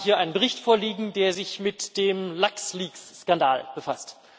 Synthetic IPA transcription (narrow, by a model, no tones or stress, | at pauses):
hiːɐʔaɪnənbəʁɪçtfoːɐliːɡŋ̩deːɐzɪçmɪtd̥eːmlaksliːksːkandaːlb̥əfast